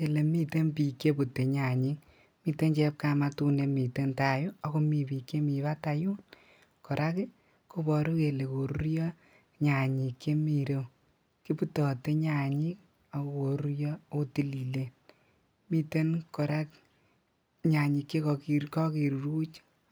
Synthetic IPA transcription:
ke˨le˨mi˦te˦npiː˨kːe˦bu˨tːe˨ɲa˨ɲi˦ŋ | mi˧te˦nt͡ʃɛ˦p̚ka˧ma˧tu˧ne˧mi˨te˦nta˨ju˦ɔ˨˦ko˧mi˨piː˨kːe˦mi˨βa˦ta˧ju˦n | kɔ˨ɾʔa˦ki˦ | ko˦bɔ˨ɾu˦ke˨le˨ko˨ɾu˦ɾjɔ˦ | ɲa˨ɲi˨kːe˦mi˨ɾe˦ | ki˦pu˦tɔ˨te˦ɲa˨ɲi˦k̚ | a˨ko˦ko˨ɾu˦ɾjɔ˦o˦ti˦li˨le˦t | mi˨te˦nkɔ˨ɾa˦k | ɲa˨ɲi˨kːe˦kɔ˧ki˨ɾkɔ˦ki˨ɾɾu˦t͡ʃ

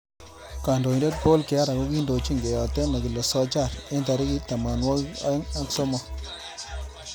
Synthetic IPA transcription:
ka˨ndo˨inde˦t̚po˦lke˨a˦ɾa˨ko˦ki˦ndo˨t͡ʃi˦˨ŋɡe˨jɔ˨tɛ˦na˨ki˨le˨sɔ˦t͡ʃa˦˨ɾe˦nta˨ɾi˦ki˦ta˨ma˨nwɔ˦ka˦ŋa˦kso˦mɔ˨

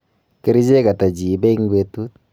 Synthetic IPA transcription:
kɪ˦ɾɪ˦d͡ʒe˦ka˨ta˨d͡ʒi˨˦bɛ˦i˦ŋ˦be˦tu˦t̚

